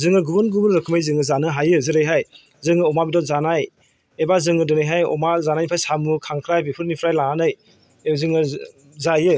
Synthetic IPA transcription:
zɯŋɯɡubunɡubunɾɯkʰɯmajzɯŋɯzanɯɦajɯzɯɾɯjɦaj | zɯŋɯɔmabidɔzanaj | ebazɯŋɯdɯnɯjɦajɔ̰mazanajnipʰajsamukʰaŋkʰɾajbipʰɯɾnipʰɾajlaɦanɯj | ezɯŋɯ | zajɯ

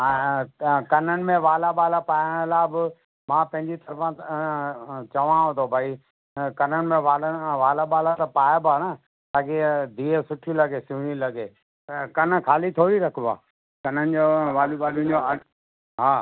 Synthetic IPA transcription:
kɐnənɪ̆mẽʋaːlaɓaːlapaːjəɽ̃laːbɪ | mãːpɐ̃ɦɪ̃ɲd͡ʑit̪ɐɾəfã | t͡ʃɐʋãɦõːd̪obʱaːi | kɐnənɪ̆mẽaːlʋaːlaɓaːlat̪ɐpaːjabaːnə | t̪aːked̪ʱiːəsʊʈʰilɐɡesuːɽ̃ilɐɡeː | kɐnkʰaːlit̪ʰoːɾiɾɐkʰba̰ː | kɐnənɪ̆d͡ʑoːʋaːluɓaːlũd͡ʑoɐ | ɦaː

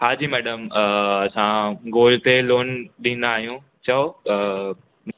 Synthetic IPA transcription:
ɦaːd͡ʑiːmɛːɗəmɐsãɡoːlt̪eloːnɗĩːn̆d̪aːɦijũ | t͡ɕɐo | m

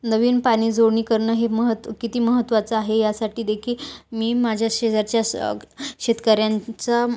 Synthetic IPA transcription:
nəʋiːnpaɽ̃iːd͡zoɽɳ̃iːkəɾɳəːɦeməɦət̪kit̪iːməɦət̪ːʋat͡səaɦejasaʈiːd̪ekʰiːlmiːmad͡ʑʱjaɕed͡zaɾt͡ɕja | ɕet̪kaɾjant͡sa

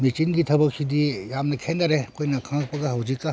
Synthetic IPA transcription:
mit͡ʃinɡit̪ʰɐbəkt͡ʃʰid̪ijamnekʰẽːnd̪ɐɾekoinakʰãːkpɐɡaɦɐwd͡ʒika

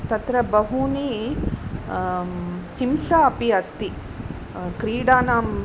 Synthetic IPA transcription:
t̪ɐt̪ɾɐbɐɦuni | himsaɐpiɐst̪i | kɾiːɽaːnaːm

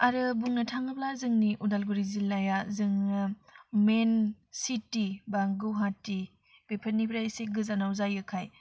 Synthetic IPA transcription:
aɾɯbuŋnɐtʰaŋɯblazɯŋniʔudalɡuɾizilːajazɯŋ | men | sitibaŋɡɯɦati | b̥epʰənːipʰɾaseɡɯzanawzajɯkʰaj

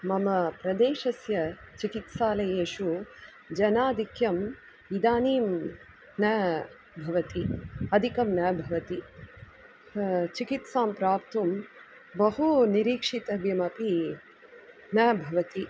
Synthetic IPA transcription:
mɐmɐpɾɐd̪eːʃɐsjɐt͡ʃikit̪saːlɐjeːʃu | d͡ʒɐnaːd̪ʱikjɐm | id̪aːniːm | nɐ | bʱɐʋɐt̪iɐd̪ʱikɐmnɐbʱɐʋɐt̪i | t͡ʃikit̪saːmpɾaːp̚t̪um | bɐɦuniɾiːkʂit̪ɐbjɐmɐpi | nɐbʱɐʋɐt̪i

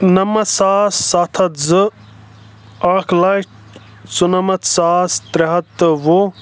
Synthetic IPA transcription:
nɐmɐt̪saːsːaːt̪ʰɐt̪zɨ | aːkʰlɐʈ | t͡sunɐmɐt̪saːst̪ɾɐɦɐt̪ːɨʋo

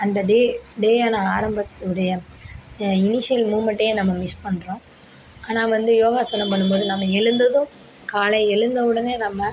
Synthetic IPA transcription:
ɐnd̪ɐɖeɖeːaːnɐaːɾɐmbɐt̪ːɯɽɐjɐ | ɪnɪʂɪjɐlmuːmɐɳʈːɐjenɐmːɐmɪspɐɳːɾõː | aːnaːʋɐnd̪ɯjoːɣaːsɐnɐmpɐɳːɯmpoːðɯnɐmːɐɛɻɯnd̪ɐðɯ̃ | kaːlɐɪɛɻɯnd̪ɐʋɯɽɐneːnɐmːɐ

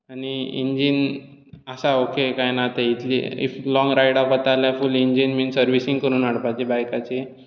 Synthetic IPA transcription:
aɽ̃iḭɲd͡ʑinəsaokekajnat̪eit̪ʰlḭḭflɔ̃ŋɡɾajɽafət̪aljafuliɲd͡ʑinmiːnsəɾʋisiŋɡkəɾuːnaɽpat͡ɕebajkat͡ɕe

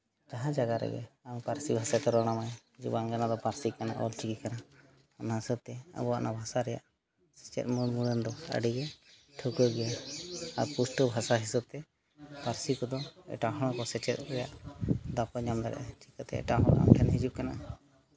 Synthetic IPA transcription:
d͡ʒaɦãd͡ʒaɡaɾɛ̰ɡɛ̰ampaɾsibʱasat̪ɔɾɔɽ̃amajhid͡ʒubaŋɡanad̪ɔpaɾsikana̰ʔɔ̰lt͡ʃikikanaː | naɦisɔb̚t̪ɛa̰bɔanʔabʱasaɾɛjaʔ | sɛ̥t͡ʃɛ̰t̪̚muɾmuɾɛnd̪ɔə̰ɖiɡɛʈʰukɔɡɛjaaɾpusʈəbʱasaɦisab̚t̪ɛ | paɾsikɔd̪ɔɛ̰ʈaɦɔɽ̃ɔkɔsɛt͡ʃɛt̪̚ɾɛja̰ʔd̪apɔɲamd̪aɾɛ̰ʔɛt͡ʃi̥kət̪ɛ̰ɛ̰ʈaɦɔɽ̃a̰mkʰɛnɦid͡ʒub̚kana̰

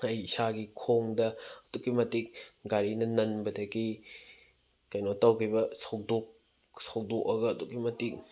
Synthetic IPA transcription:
ɐjsaɡikʰoŋdɐɐtukimɐtik̚ɡaɾinɐnɐnbɐtaki | kɐjnɔtawkʰibɐsow̚dɔk̚ | sow̚dɔk̚ɐɡɐːtukimɐtik̚

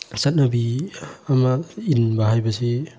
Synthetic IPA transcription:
sat̚nabiamainbaɦajbɐsi

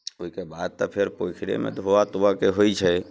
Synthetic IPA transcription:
oɦikebad̪̚t̪ɔpʰeɾpojkʰiɽḛmḛd̪ʱoʋat̪uakeɦojt͡ʃʰɛ

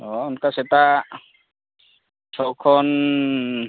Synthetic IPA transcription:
ɔɔnkasɛt̪a | sʰɔwkʰɔn

